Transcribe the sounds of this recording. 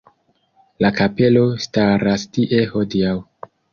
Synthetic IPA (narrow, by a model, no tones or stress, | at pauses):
lakape̞lo̞staɾastiʔe̞ho̞diaw